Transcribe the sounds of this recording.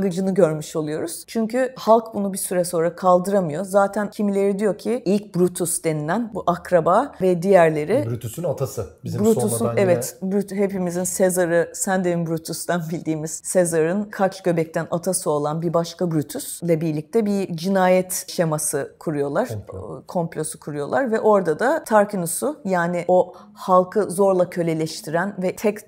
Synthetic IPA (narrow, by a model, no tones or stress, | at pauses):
ɡɯd͡ʒɯnɯɟø̞ɾmyʃo̞lˠujo̞ɾuz̥t͡ʃʰyɲcyhalˠkbunubisyɾɛso̞nɾakʰalˠd̪ɯɾamɯjo̞zaːt̪ʰæncʰimilʲe̞ɾid̪ijo̞cʰiilʲc̚bɾut̪ʰusd̪e̞nilʲænbuʔakɾabaːvɛd̪ijæɾlʲe̞ɾibɾyt̪ysnat̪ʰasɯbizbɾut̪ʰusunevɛt̪bɾyt̪ɦe̞pimizinsezaɾɯsænd̪evimbɾʲut̪ʰust̪anbilʲd̪iːmiz̥sezaɾɯnkʰat͡ʃɟø̞bɛc̚t̪ʰænat̪ʰasɯo̞lˠanbiɾbaʃkabɾyt̪ʰyslʲɛbiɾlʲic̚t̪ʰɛbid͡ʒinaːjɛt̪ʃemasɯkʰuɾujo̞lˠaɾ̥kʰo̞mplʲo̞su̥kʰuɾujo̞lˠaɾvɛʔo̞ɾd̪ad̪at̪ʰaɾkʰinusʊjaːnɪʔo̞ | halˠkʰɯzo̞ɾlˠacʰø̞lʲe̞lʲɛʃt̪ʰiɾænvɛt̪ʰɛc